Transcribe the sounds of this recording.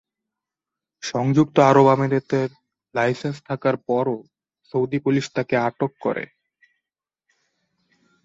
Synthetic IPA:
ʃɔŋd͡ʑuk̚t̪oaɾobameɾet̪eɾ | lajsenst̪ʰakaɾpɔɾo | sowd̪ipuliʃt̪akeaʈokːo̰ɾḛ

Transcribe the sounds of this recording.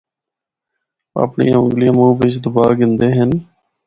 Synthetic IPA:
ə̰pɳḭːʊ̰̃ŋɡɡliːmũːʋɪt͡ʃd̪ʊbaːɡɪnd̪eːɦən

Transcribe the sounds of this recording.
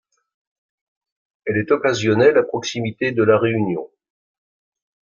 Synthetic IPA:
ɛlɛt̪ɔkazjɔnɛlapχɔksimit̪ed̪əlaʁeynjɔ̰̃

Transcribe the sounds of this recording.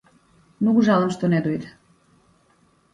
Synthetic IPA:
nuɡuʒɑlˠəmʃt̪oned̪ujt̪

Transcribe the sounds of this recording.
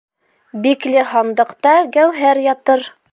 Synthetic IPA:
biklɘɦɑnd̪ɤ̆qt̪ɑɡæwɦæɾjɑt̪ɤɾ

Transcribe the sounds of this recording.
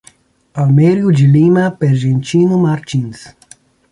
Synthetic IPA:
almeɾjud͡ʒilimɐpeɾʒẽnt͡ʃinumaɾt͡ʃĩns

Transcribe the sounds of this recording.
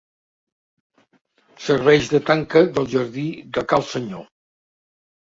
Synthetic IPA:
səɾβɛʒðət̪aŋkəðəlˠʒəɾðid̪əkalˠsəɲo

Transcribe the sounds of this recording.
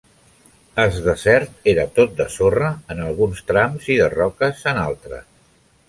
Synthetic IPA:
əzðəsɛɾt̪eɾət̪ot̪̚d̪əsorəːnəlˠɣunst̪ɾamziðərɔkəzənalˠt̪ɾə̰s

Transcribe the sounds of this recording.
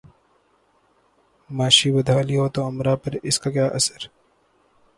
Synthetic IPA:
maːʃibɐd̪ʱaːliɦoːt̪oɐmɾapɐɾɪskak̬jaːʔɐsəɾ

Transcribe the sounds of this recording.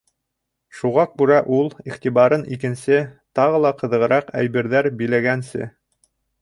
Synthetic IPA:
ʃuʁɑk̚bʉɾæʔulˠiχt̪iβɑɾɤnikɘ̆nsɘt̪ɑʁɤ̆lˠɑqɤ̆ðɤ̆ʁɤ̆ɾɑqæ̰jbɘ̆ɾðæɾbilæɡænsɘ̰

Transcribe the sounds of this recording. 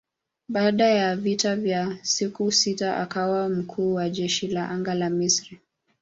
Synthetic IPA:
ɓaːɗajavitavjasikusitaʔa̰kawam̩kʰuːwaʄɛʃilaʔaŋɡalamisɾi

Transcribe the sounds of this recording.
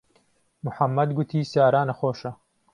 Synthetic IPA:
mʊħɐmːɐd̪ɡut̪ʰiːsaːɾaːnɐxoːʃɐ

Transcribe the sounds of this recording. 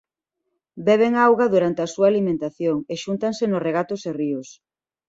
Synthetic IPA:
bɛβ̞eŋawɣɐðuɾant̪easuaːlimẽnt̪aθjoŋeʃunt̪aŋsenoreɣ̞at̪ʊseriʊs

